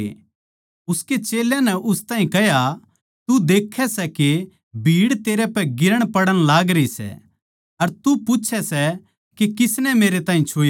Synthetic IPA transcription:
ʊsket͡ʃeːljãnɛʔʊst̪ãːɦĩkɛɦja | t̪ud̪eːkʰːɛsɛke | bʱiːɽt̪eːɾɛpɛɡɪɾəɽ̃pɐɽəɽ̃laːɡɾəisɛ̰ | ɐɾt̪upʊt͡ʃʰɛsɛ | kekɪsnɛmeːɾet̪ãːɦĩt͡ʃʰoː

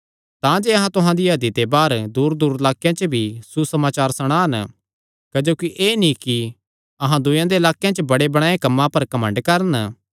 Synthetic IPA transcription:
t̪ãd͡ʒeɐɦãt̪ʊɦãd̪iɦɐd̪id̪ebaːɾd̪uːɾd̪uːɾɐlaːkjãt͡ʃəbʱisusɐmaːt͡ʃaːɾsɐɽ̃ãːɐn | kɐd͡ʒoːkiʔeːnĩki | ɐɦãd̪ʊjãd̪eɐlaːkjãt͡ʃəbɐɽebɐɽ̃aːẽkɐmːãpɐɾkɐmə̃ɳɖkɐɾən

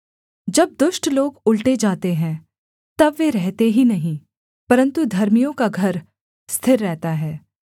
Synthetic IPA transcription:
d͡ʒɐb̚d̪ʊʃʈloːɡʊlʈed͡ʒaːt̪eɦɛ̃ | t̪ɐbʋeɾɛɦt̪eɦinɐɦĩ | pɐɾə̃nt̪ud̪ʱɐɾmijõkaɡʱɐɾ | st̪ʰɪɾːɛɦt̪aɦɛː

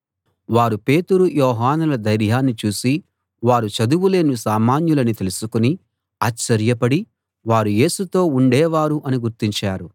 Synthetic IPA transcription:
ʋaːɾupe̞ːt̪uɾujɔːɦaːnulɐd̪ɐjɾjaːnːit͡ʃuːsi | ʋaːɾut͡ʃɐd̪uwule̞ːnusaːmaːnjulɐnit̪e̞lusukuni | aːt͡ʃt͡ʃːɐɾjɐpɐɽi | ʋaːɾuje̞ːsut̪o̞ːuɳɖɛːʋaːɾuʔɐniɡuɾt̪iɲt͡ʃaːɾu

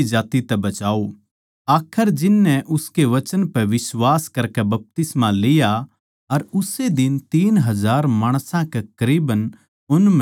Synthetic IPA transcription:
id͡ʒaːt̪it̪ɛbɐt͡ʃaːo | aːkʰəɾd͡ʒɪnːɛʔʊskeʋɐt͡ʃənpɛ̃ʋɪswaːskɐɾkɛbɐp̚t̪ɪsmãlɪja | ɐɾʊsed̪ɪnt̪iːnɦɐzaːɾmaːɽ̃sãkekəɾiːbən | ʊnm

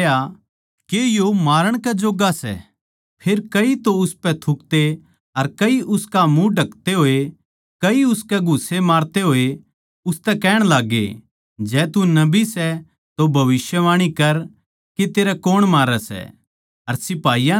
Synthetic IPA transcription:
a | kejomaːɾəɽ̃kɛd͡ʒoːɡasɛ̰ | pʰeːɾkɐit̪oʊspɛt̪ʰʊk̚t̪e | ɐɾkɐiʔʊskamũɖʱɐkt̪eɦoːe | kɐiʊskɛɡʱʊsemaːɾt̪eɦoːe | ʊst̪ɛkɛːɽ̃laːɡḛ | d͡ʒɛːt̪unɐbisɛ | t̪obʱɐʋɪsjəʋaːɽ̃ikɐɾ | ket̪eːɾɛkoːɽ̃maːɾɛsɛ̰ | ɐɾsɪpaːija

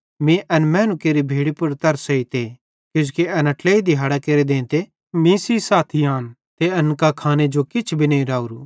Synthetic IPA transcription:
mĩʔɐnmɛːnukeːɾibʱeːɽipʊɾt̪ɐɾsɐit̪ʰeː | kjʊ̃skeɐnɐʈleːid̪iɦaːɽakeːɾed̪ẽːnt̪e | mĩsisaːt̪ʰiaːn | t̪eɐnkakʰaːned͡ʒokɪt͡ʃʰbʱinẽĩɾaːuɾuː

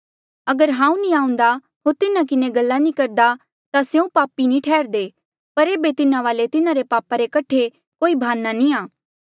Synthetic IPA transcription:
ɐɡəɾɦãːũnĩãːũnd̪a | ɦoːɾt̪ɪnakɪneɡɐlːanĩkɐɾd̪a | t̪asjũpaːpinĩʈʰɛːɾd̪eː | pɐɾeːbet̪ɪnãʋaːlet̪ɪnaɾepaːpaɾekɐʈʰe | koːibʱaːnːanĩaː

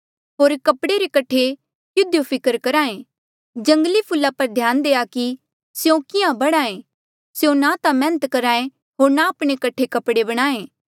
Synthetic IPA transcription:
ɦoːɾkɐpɽeɾekɐʈʰe | jʊd̪ʱjopʰɪkəɾkɐɾaːẽ | d͡ʒɐ̃ŋɡlipʰʊlːapɐɾd̪ʱjaːnd̪eːaki | sjõkɪjãbɐɽ̃aːẽ | sejõnat̪ãmɛ̃ːnət̪kɐɾaːẽ | ɦoːɾnaːpɽ̃ekɐʈʰekɐpɽebɐɽ̃aːẽː

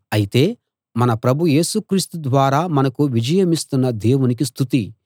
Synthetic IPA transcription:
ɐjit̪e̞ː | mɐnɐpɾɐbʱuje̞ːsukɾist̪ud̪ʋaːɾaːmɐnɐkuʋid͡ʒɐjɐmist̪unːɐd̪e̞ːwunik̬ist̪ʰut̪i

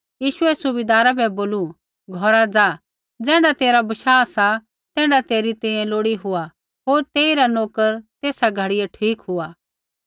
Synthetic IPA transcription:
jiːʃʊɛsʊbɪd̪aːɾabʱɛboːlu | ɡʱɔɾad͡zaː | d͡zɛ̃ːɽat̪eːɾabɐʃaːsa | t̪ɛ̃ːɽat̪eːɾit̪ɛ̃ẽloːɽiɦʊa | ɦoːɾt̪eːiɾanoːkəɾt̪eːsaɡʱɐɽɪjeʈʰiːkɦʊa

